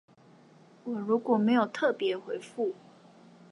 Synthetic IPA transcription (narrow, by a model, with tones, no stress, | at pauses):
wɔ˨˩ɻu˧˥kwɔ˨˩me˧˥ɪjo˨˩ʊt̪ʰɤ˥˩pjɛ˧˥xwe˧˥ɪfu˥˩